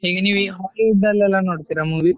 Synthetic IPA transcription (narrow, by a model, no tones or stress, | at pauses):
ɦeːɡeniʋiɦalid̪ɐlːɛlːanoːɽt̪iɾamuːʋi